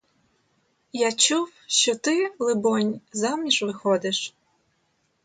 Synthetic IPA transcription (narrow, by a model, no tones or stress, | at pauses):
jat͡ʃuwʃt͡ʃɔt̪ɪlˠɪbɔnʲzɑmnʲiʃʋɪxɔd̪ɪʃ